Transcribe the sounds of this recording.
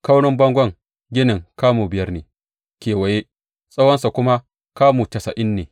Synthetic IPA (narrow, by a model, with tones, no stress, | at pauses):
ka˦wnʊ˦mbɐ˦ŋɡʷɐ˦˨ŋ | ɡʲɪ˦nɪ˨ŋkaː˦muː˨bɪ˨jɐ˦rneː˨ | kʲeː˨wɐ˨je˦ | sʼa˦wɐ˦nsa˨kʷʊ˦ma˦ | kaː˦muː˨tɐ˨sɐ̰˨ʔɪ˦nːeː˨